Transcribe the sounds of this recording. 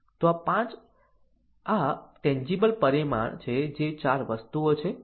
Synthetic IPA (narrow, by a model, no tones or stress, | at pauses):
t̪oapãt͡ʃ | aʈɛ̃ɲd͡ʒibəlpəɾima̰ɳt͡ʃʰed͡ʒet͡ʃaɾʋəst̪uot͡ʃʰe